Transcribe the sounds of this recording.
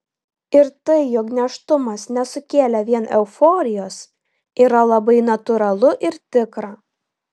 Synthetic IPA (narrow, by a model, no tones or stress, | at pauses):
ɪɾt̪ɐɪjɔknʲɛʃt̪ʊmɐsnʲɛsʊkʲeːlʲɛʋʲiɛnɛʊfɔːɾʲɪjoːs | iːɾɐlˠɐbɐɪnɐt̪ʊɾɐlˠʊʔɪɾt̪ʲɪkɾɑː